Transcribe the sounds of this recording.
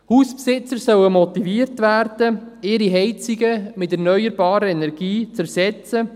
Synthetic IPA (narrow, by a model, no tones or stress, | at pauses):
huːspsɪt͡səɾsœwəmɔtiviərtʋæːrd̥əɪːɾiɦɛɪt͡siɡəmɪtɛrnœʏəɾbɑːɾəɛnɛrɡiːt͡sæɾsɛt͡sə